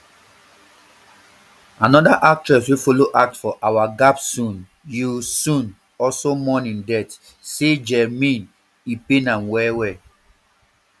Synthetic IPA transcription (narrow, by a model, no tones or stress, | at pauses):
anɔdaʔak̚tɹɛswefoloʔak̚tfɔʔawaɡapsũn | jusũn | ɔsomɔ̃nĩndɛt | sed͡ʒɛmĩn | ipenãnwɛwɛ